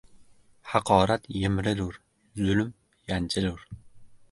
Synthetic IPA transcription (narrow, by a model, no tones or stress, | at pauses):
hɑqʰɒːɾat̪jɪmɾɪluɾ | zʊlm | jant͡ʃʰɪluɾ